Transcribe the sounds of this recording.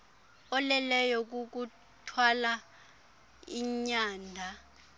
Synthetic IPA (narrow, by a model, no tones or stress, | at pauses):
ɔlɛlɛjɔk̬uk̬u | tʰwala | iɲaːndʱa